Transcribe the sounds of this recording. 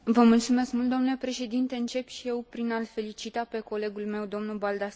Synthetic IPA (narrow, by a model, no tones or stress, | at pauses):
vəmult̪sume̞skmult̪d̪onule̞pɾe̞ʃe̞d̪int̪e̞ɨnt͡ʃe̞pʃije̞wpɾinalfe̞lit͡ʃit̪ape̞ko̞le̞ɡulme̞wd̪o̞mnulbald̪as